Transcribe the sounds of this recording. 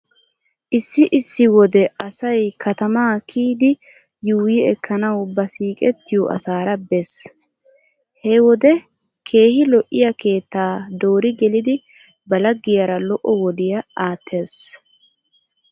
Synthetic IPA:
ʔɪsːɪʔɪsːɪwɔd̪ɛɐsɐjkʰɐt̪ɐmaːkʰiːd̪ɪ | juːjiɛkʰːɐnɐwbɐsiːkʼɛt̪ːɪjɔʔɐ̰saːɾɐbɛs | hɛwɔd̪ɛ | kʰe̞ːhɪlɔʔːɪjɐke̞ːt̪ːaːd̪o̞ːɾɪɡɛlɪd̪ɪ | bɐlɐɡːɪjɐɾɐlɔʔɔwɔd̪ɪjɐaːt̪ʰːe̞ːs

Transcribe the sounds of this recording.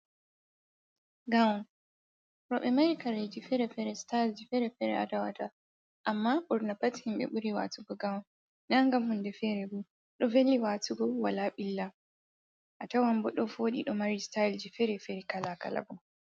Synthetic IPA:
ɡawɔn | ɾɔɓɛmaɾikaɾed͡ʒifɛɾɛfɛɾɛstald͡ʒifɛɾɛfɛɾɛ̰ʔa̰tawa̰ta | ʔamːaɓɔɾnapathimɓɛ̰ɓuɾiwa̰tuɡɔɡawɔn | naŋɡamhundɛfɛɾɛbu | ɗɔvelːiwatuɡɔwalaɓilːa | ʔatawambɔɗɔfoɗḭɗɔmaɾistajld͡ʒifɛɾɛfɛɾikalaka̰la̰bu

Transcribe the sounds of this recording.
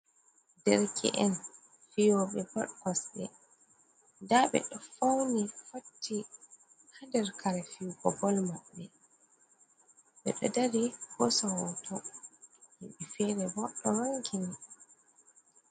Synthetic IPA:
dɛɾkʰɛ̰ʔɛn | fijɔɓɛbɔ̰ɗkɔsɗɛ̰ | daɓɛ̰ɗɔfawnifotʰːi | handɛɾkʰaɾɛfijuɡɔɡɔlmaɓːɛ | ɓɛ̰ɗɔdaɾihɔsawɔtʰɔ | hiɓifɛɾɛbɔɗːɔɾaŋkini

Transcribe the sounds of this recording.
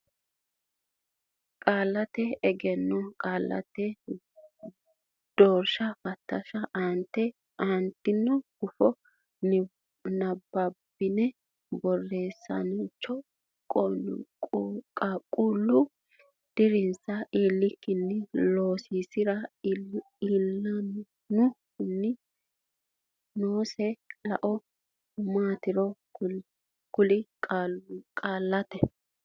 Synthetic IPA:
kʼaːlːɐt̪ɛɛɡɛnːɔkʼaːlːɐ̰t̪ɛ | d̪̥oːɾʃɐfɐt̪ːɐʃɐʔɐnt̪ːɛ | ʔant̪ːɪnːɔɡʊfɔ | nɐbːɐbɪnɛ | bɔrːe̞ːsːɐ̰nɪt͡ʃːɔ | kʼɔ | kʼakʼuːlːʊ | d̪̥ɪɾɪnsɐiːlːɪkːɪnːɪlo̞ːsiːsɪɾɐ | ilːɐ | nʊ | ɪnːɪ | noːsɛlɐʔɔ | maːt̪ɪɾɔ | kʊlɪkʼalkʼaːlːɐt̪ɛ

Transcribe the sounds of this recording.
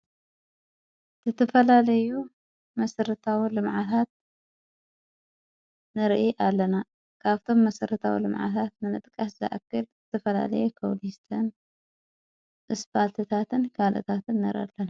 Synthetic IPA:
zɨt̪ʰɐfɐlalɐju | mɐsɐɾɨt̪ʰawilɨmʕat̪ʰat̪̚ | nɨɾʔiʔalːɐna | kʰaβt̪ʰo̞mːɐsɐɾɨt̪ʰawḭlɨmʕa̰t̪ʰat̪̚nɨnɨt̪ʼkʼaszɐ̰ʔkːɨlzɨt̪ʰɐfɐla̰lɐ̰jukʰɐwlist̪ʰɐn | ʔɨspʰalt̪ʰɨt̪ʰat̪ʰɨnkʰalʔɨ̰t̪ʰat̪ɨnːɐɾɐ̰d̪lɐna

